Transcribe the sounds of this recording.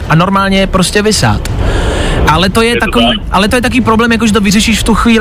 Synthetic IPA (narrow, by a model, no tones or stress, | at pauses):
ʔano̞ɾmaːlɲɛjɛpɾoscɛvɪsa̰ːt̪ | ʔalɛt̪o̞jɛt̪akoviːʔalɛt̪ojɛt̪akoviːpɾoblɛːmjak̬oʒɛt̪̬ovɪrɛʃiːʃft̪uxviː